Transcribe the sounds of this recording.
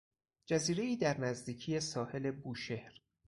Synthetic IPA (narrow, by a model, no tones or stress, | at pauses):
d͡ʒæziːɾeiːd̪æɾnæzd̪iːcʰije̞sɒːhe̞le̞buːʃe̞hɾ